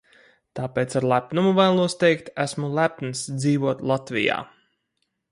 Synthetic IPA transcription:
t̪aːpeːt̪saɾlˠæpnumuvæjlˠuɔst̪ɛjkt̪æsmulˠæpnsd̪ziːvuɔt̪lˠat̪vḭja̰ː

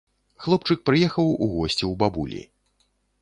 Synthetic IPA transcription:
xlˠɔpt͡ʂɨk̚pɾɨjɛxɐwuɣɔsʲt͡sʲiwbabṵlʲḭ

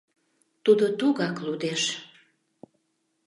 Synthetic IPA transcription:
t̪ud̪ot̪uɣɑklud̪eʃ

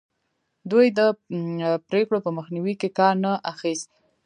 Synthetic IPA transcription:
d̪ujd̪ə | pɾekɽopəməxniwikekɑɾnaʔaxist̪̚

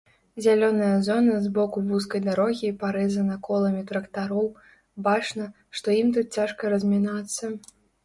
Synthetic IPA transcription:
zʲalʲɔnɐjɐzɔnɐzbɔkubus̬kɐjd̪aɾɔɣʲipaɾɛzɐnɐkɔlˠɐmʲit̪ɾɐkt̪aɾɔw | bat͡ʂnɐ | ʂt̪ɔjimt̪ut̪̚t͡sʲaʂkɐɾɐzʲmʲinat̪sːɐ

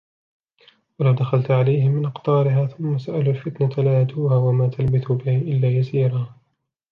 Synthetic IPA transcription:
walawd̪axalt̪ʕalajhɪmːɪnʔɑqt̪ˤɑːɾɪɦaːθʊmːasaʔaluːlfɪt̪nat̪laat̪uːhaːwamaːt̪ʰalbɪθʊbɪhɪʔɪlːaːjasiːɾaː

